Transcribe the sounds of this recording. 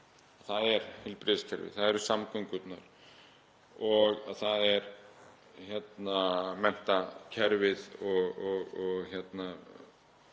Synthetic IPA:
aθaðɛɾhɪlpɾɪðscʰɛɾvɪ̰ðθaðɛɾʏsamkʰœŋkʏt̪naɾ̥ | ɔɣaðθaðɛɾ | çɛt̪namɛn̥t̪acʰɛɾvɪðɔɣɔɣɔɣçɛt̪na

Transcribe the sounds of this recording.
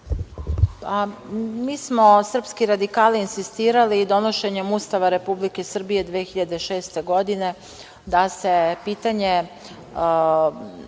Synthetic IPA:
pamiːsmo̞sr̩pskiɾad̪ikaːlinsist̪iːɾalid̪o̞noʃe̞ɲe̞must̪aʋaɾe̞publike̞sr̩bije̞d̪ʋeːxiʎad̪eʃe̞ːst̪e̞ɡo̞d̪ine̞ | d̪ase̞piːt̪aɲe̞

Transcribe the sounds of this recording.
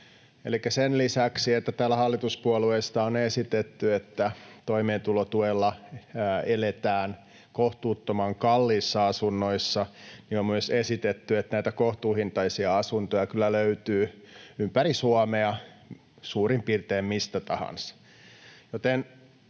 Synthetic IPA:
elikːæsenlisæksiet̪ːæt̪æːlæhɑlːit̪uspuɑluest̪ɑonesit̪et̪ːyet̪ːæt̪oimeːnt̪ulot̪uelːɑ | elet̪æːn | koht̪uːt̪ːomɑŋkɑlːiːsːɑɑsunːoisːɑniommuesesit̪et̪ːyet̪næit̪ækoht̪uːhint̪ɑisiɑɑsunt̪ojɑkylːæløyt̪yː | ympæɾisuɑmeɑ | suːrimpiːrt̪eːmmist̪æt̪ɑhɑ̰nsɑ̥ | jot̪en

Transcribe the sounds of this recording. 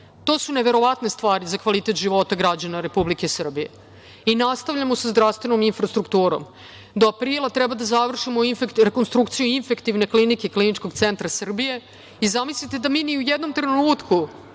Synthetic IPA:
t̪o̞ːsune̞ʋe̞ɾo̞ʋat̪ne̞st̪ʋaːɾizakʋalit̪e̞t̪ʒiʋo̞t̪aɡɾad͡ʑanaɾe̞publikesr̩bije̞̰ | inast̪aʋvʎamosazd̪ɾafst̪ʋe̞no̞minfɾast̪ɾukt̪uːɾo̰m | d̪oapɾilˠat̪ɾɛbad̪azaʋr̩ʂimoinfekɾekonst̪ɾukt̪sijuinfekt̪iʋne̞klinikeklinit͡ʂko̞ɡt̪sent̪ɾasr̩bije̞ | izamislit̪e̞d̪amiːniujed̪no̞mt̪ɾenuːt̪ku

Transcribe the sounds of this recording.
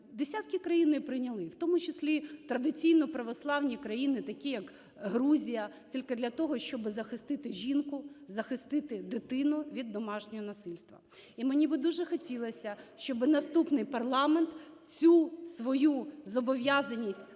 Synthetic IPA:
d̪esʲat̪̚kʲikɾɐjinɪpɾɪnʲɐlˠɪwt̪ɔmʊt͡ʃɪsʲlʲit̪ɾɐd̪ɪt͡sʲijnɔpɾɐʋɔslˠɑwnʲikɾɐjinɪt̪ɐkʲijɐk | ɦɾuzʲijɐtʲilʲked̪lʲɐt̪ɔɦɔʃt͡ʃɔbɪzɐxɪst̪ɪt̪ɪʒʲinkʊzɐxɪst̪ɪt̪ɪd̪ɪt̪ɪnʊʋʲid̪ːɔmɑʃnʲɔɦɔnɐsɪlʲst̪ʋɐ̰ | imenʲibɪd̪uʒɛxɔtʲilˠɐsʲɐʃt͡ʃɔbɪnɐst̪upnɪjpɐrlˠɑment̪ | t͡sʲusʋɔjuzɔbɔʋʲjazɐnʲisʲtʲ

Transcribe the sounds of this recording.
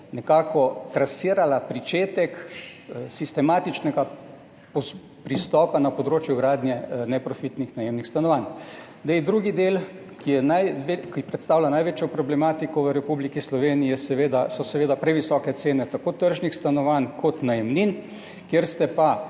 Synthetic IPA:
nɛkaːkɔt̪ɾasiːɾalapɾit͡ʃeːt̪ɛk | sist̪ɛmaːt̪it͡ʃnɛɡa | pɔ | pɾist̪ɔːpanapɔd̪ɾoːt͡ʃjuɡɾaːd̪njɛnɛpɾɔfit̪nixnajemnixst̪anɔʋan | d̪ejd̪ɾuːɡid̪eːl | kijɛnajʋkipɾɛt̪st̪aːwlanajʋeːt͡ʃjɔpɾɔblɛmaːt̪ikɔʋəɾɛpublikislɔʋeːnijɛsɛʋeːd̪asɔsɛʋeːd̪apɾɛʋisɔːkɛt̪seːnɛt̪akot̪əɾʒnixst̪anɔʋankʰɔt̪najɛmnin | kjeɾst̪ɛpa

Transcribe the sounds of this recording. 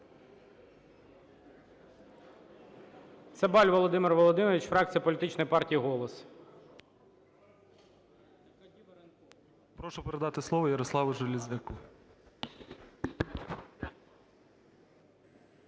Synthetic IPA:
t̪sɛbɑlʲʋɔlˠɔd̪ɪmɪrʋɔlˠɔd̪ɪmɔʋʲit͡ʃfɾɑk̚t͡sʲijɐpɔlʲit̪ɪt͡ʃnɔjpɑrtʲijiɦɔlˠɔs | dʲibeɾɐnt̪ɔ | pɾɔʃʊpeɾed̪ɑt̪ɪslˠɔʋɔjɐɾɔslˠɑʋʊʒɐlʲizʲʋʲɐku

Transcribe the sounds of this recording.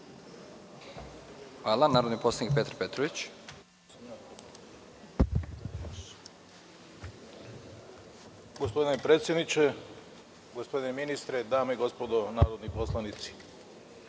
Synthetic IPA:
xʋaːlˠanaːɾo̞d̪niposlˠanik̚pet̪ɾpet̪ɾoʋit͡ɕ | ɡospo̞d̪inepɾet̪sjed̪nit͡ʃe | ɡospo̞d̪ineminist̪ɾed̪aːmeiɡo̞spod̪onaːɾod̪niposlˠanit̪si̥

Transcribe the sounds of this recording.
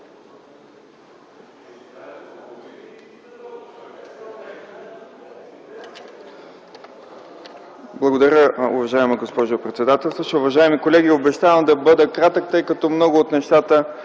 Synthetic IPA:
blˠɐɡod̪ɐɾʲəʊvɐʒaɛmɐɡospɔʒopɾɛt̪sɛd̪at̪ɛlˠst̪oʃɛʊvɐʒaɛmikolɛɡʲiobɛʃt̪avəmd̪ɐbɤd̪əkɾat̪ək̚t̪ɤjkɐt̪ɔmnɔɡʊːt̪nɛʃt̪at̪ə

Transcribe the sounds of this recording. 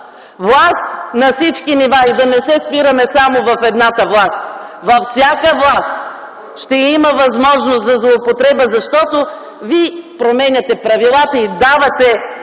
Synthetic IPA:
vlˠast̪nɐfsit͡ʃkinivaid̪ɐnɛsɛspiɾɐmɛsamovɐfɛd̪nat̪əvlˠast̪ | vɐfsʲjakəvlˠast̪ | ʃt̪ɛiməvɐzmɔʒnost̪zɐzlˠoːpot̪ɾɛbəzɐʃt̪ɔt̪o | vipɾomɛnʲɐt̪ɛpɾɐvilˠat̪əid̪avɐt̪ɛ

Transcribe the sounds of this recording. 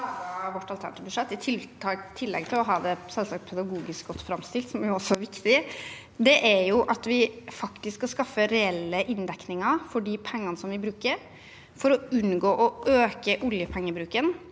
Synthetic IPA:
ɑʋɔʈːɑlt̪ʰæ̰ɳət̪ːbʉʂɛt̪ːɪt̪ʰɪt̪ʰɑt̪ʰɪlːɛ̰ɡ̚t̪ʰɪlɔɦɑːd̪ɛsɛlsɑːkt̪pʰɛd̪ɑɡuːɡɪskɡɔt̪ːfɾɑmst̪ɪlt̪sɔmjʊɔsːɔæɾʋɪkt̪ɪ | d̪ɛʔæɾjʊʔɑt̪ʋɪfɑkt̪ɪskkɑskɑfːəɾɛɛlːəʔɪnd̪ɛknɪŋɑɾfɔɖipʰɛŋːɑnəsɔmʋɪbɾʉːkəɾ | fɔɾɔʉnɡoːʔɔʔøːkəʔʊljəpʰɛŋːəbɾʉːkən

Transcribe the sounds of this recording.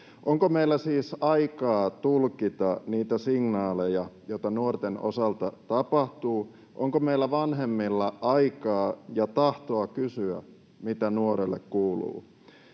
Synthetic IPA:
ʔoŋkomeilːæsiːsɑikɑːt̪ulkit̪ɑniːt̪æsiŋnɑːlejɑjoit̪ɑnuort̪eno̰sɑlt̪ɑt̪ɑpɑht̪uː | ʔoŋkomeilːæʋɑnɦemːilːɑʔɑikɑːjɑt̪ɑht̪oɑkysyæ̰ | mit̪ænuoɾelːḛkkuːlṵː

